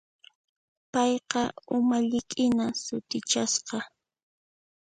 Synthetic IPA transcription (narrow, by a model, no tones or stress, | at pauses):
pɑjqɑʊmaʎɪkʼɪnasʊt̪ɪt͡ʃasqɑ